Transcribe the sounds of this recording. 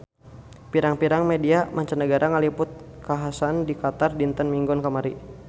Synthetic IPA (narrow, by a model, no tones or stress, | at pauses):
piɾaŋpiɾaŋmediamaɲt͡ʃanəɡaɾʔaŋalipʊt̪̚kaɦasandikat̪ardint̪ənmiŋɡɔnkamaɾi